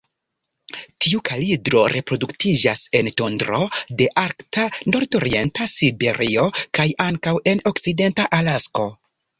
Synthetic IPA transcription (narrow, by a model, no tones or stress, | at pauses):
tʰiukʰalidɾo̞ɾe̞pɾo̞duktid͡ʒase̞nto̞ndɾo̞de̞ʔaɾktano̞ɾdo̞ɾie̞ntasibe̞ɾio̞kajaŋkawe̞nokside̞ntaʔalasko̞